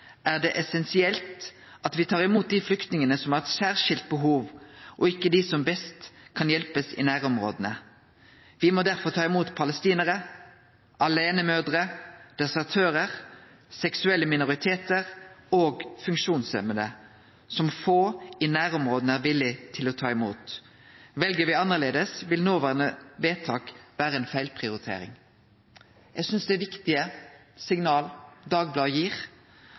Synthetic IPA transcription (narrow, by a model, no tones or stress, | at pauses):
ʔæːʁd̪ɛʔɛsɛnsɪɛlt̪ | ɑt̪ʋɪt̪ʰɑːʁɪmuːt̪̚d̪iːflʏkt̪nɪŋənəsɔmæʁɛt̪sæːʁʂɪlt̪̚bəɦuːʋʔɔɪkːəd̪ɪsɔmbɛst̪kʰɑnjɛlpəsɪ̰næːʁɔmʁo̰ːd̪ənə | ʋɪmɔːd̪æʁfɔʁt̪ʰɑːɪmuːt̪pʰɑləst̪iːnəʁə | ʔɑleːnəmøːd̪ʁəd̪̥ɛsəʁt̪ʰøːʁəʁ | sɛksʉɛlːəmɪnʊʁɪt̪ʰeːt̪əʁoːɡfʉŋkʃuːnsœmənə | sɔmfoːɪnæːʁɔmʁoːd̪næʁʋɪlːɪt̪ʰɪlɔt̪ʰɑːɪmṵːt̪ | ʋɛlɡəʋɪɑnːəʁleːd̪əsʋɪlnoːʋæːʁnəʋeːt̪ʰɑːkʋæːʁəɛːnfæɪlpʰʁɪʊɾɪt̪ʰḛːɾɪ̰ŋ | jɛɡsʏnsd̪ɛæʋɪkt̪ɪə | sɪŋnɑːld̪ɑːɡ̚blɑːjiːʁ